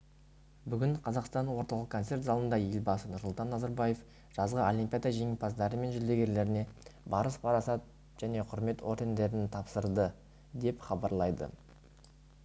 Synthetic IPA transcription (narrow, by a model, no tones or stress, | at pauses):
bʏɡʲɪɴqʰɑzɑqst̪ɑnwo̞ɾt̪ɑlˠəqkʰːont̪se̞rt̪zɑlˠənd̪ɑje̞lʲbɑsənʊɾsʊlˠt̪ɑnːɑzɑɾbɑje̞f | ʒ̥ɑzʁəolʲimpʲijad̪ɑʒe̞ŋɪpʰɑzd̪ɑɾəme̞nʒʏld̪e̞ɡʲe̞ɾle̞ɾɪne̞bɑɾəspʰɑɾɑsɑt̪̚ | ʒ̥æne̞qʰʊɾme̞t̪ʰo̞ɾd̪e̞nd̪e̞ɾɪnt̪ʰɑpsəɾd̪ə | d̪e̞pχɑbɑɾlˠɑjd̪ə̰